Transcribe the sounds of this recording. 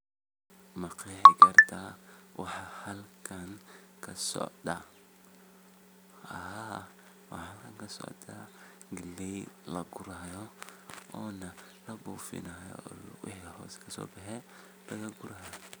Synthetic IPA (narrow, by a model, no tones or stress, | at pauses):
mɐqiħɛɡɐrt̪ʰawɑħɑhɐlkʰɐŋkʰɐsɔ̰ʕd̪ɐ | ɐha | wɑ̰ħɐlkʰɐŋkɐsɔ̰ʕd̪ʰɐ | ɡɪlːɛjlɐɡʊɾaːjɔ | ɔːnɐ | lɐbuːfɪ̰nɐjɔ̰wɪ̰ħihɔ̰ːskʰɐsɔ̰ːbɐħɛ | lɐɣɐɡʊɾaːj